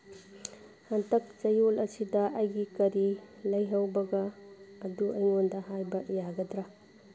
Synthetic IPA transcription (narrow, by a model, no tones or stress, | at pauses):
hɐntɐk̚t͡ʃɐjolɐsidɐʔɐjɡikɐɾilɐjɦɐwbɐɡɐːduʔɐjŋondɐɦajbɐjaɡɐdɾɐ